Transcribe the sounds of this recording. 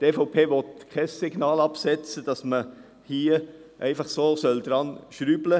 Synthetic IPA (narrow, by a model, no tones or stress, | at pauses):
tefɔʊpʰeːʋɔt̚kʰɛsːɪɡnɑːlɑpsɛt͡səd̥ɑsmə | hiːəʔæɪfɑχsoːsœld̪ɾɑnʃɾyːblə